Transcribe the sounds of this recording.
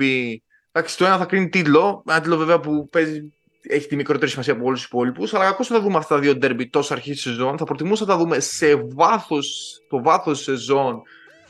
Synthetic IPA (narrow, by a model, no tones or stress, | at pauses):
i | d̪ɐksi̥t̪o̞enɐθɐkɾinit̪it̪lo̞enɐt̪it̪lo̞veveɐpupe̞zi | eçi̥t̪imikɾo̞t̪e̞ɾisimɐsiɐpoolususi̥po̞lipusɐlɐkɐkosɐt̪ɐðumeɐft̪ɐt̪ɐðio̞d̪e̞ɾbit̪o̞sɐɾçisse̞zo̞nθɐpɾot̪imusɐt̪ɐðume̞se̞vɐθost̪o̞vɐθo̞se̞zo̞n